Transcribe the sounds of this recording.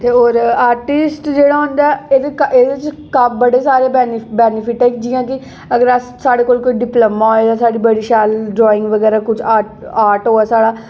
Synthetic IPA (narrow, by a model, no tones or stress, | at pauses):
t̪eːoːɾaːɾʈɪsʈd͡ʒeːɽaːɦʊ̃nd̪aɛeːd̪ekʔeːd̪ɪt͡ʃ | kabəɽeːsaːɾeːbɛːnbɛːnɪpʰɪʈɛːkd͡ʒiːãːkɪ | əɡəɾəssaːɽeːkoːlkoːiːɖɪpləmãːɦoed̪aːsaːɖiːbəɽiːʃaːlɖɾɔːɪ̃ŋɡʋəɡɛːɾaːkʊt͡ʃʰaːaːɾʈɦoːɛːsaːɽaː